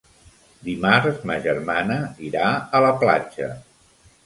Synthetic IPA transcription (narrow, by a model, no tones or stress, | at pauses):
d̪imaɾzməʒəɾmanəiɾaələpla̰d͡ʒə̰